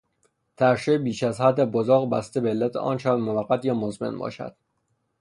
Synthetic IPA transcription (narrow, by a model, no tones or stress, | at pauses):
t̪ʰæɾʃebiːʃæzhæd̪ːæbozoːɣbæst̪ebeːlːæt̪ʰḛʔɒ̰ːnt͡ʃæbmovæɢːæt̪jɒːmozmḛnbɒ̰ːʃæ̰d̪̥